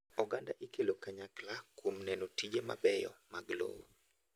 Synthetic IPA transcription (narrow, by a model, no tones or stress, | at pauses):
ɔɡandaʔikelokaɲaklakwomnɛnotid͡ʒema̰bɛjɔ̰maɡlo̰w